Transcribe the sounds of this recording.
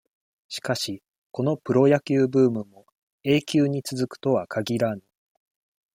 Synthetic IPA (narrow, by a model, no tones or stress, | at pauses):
ɕi̥kaɕi | ko̞no̞pɯ̟ɾo̞jakʲɨːbɯ̟ːmɯ̟mo̞ | e̞ːkʲɨːɲ̟it͡sɨzɨkɯ̟̥t̪o̞βakʰaɡʲiɾanɯ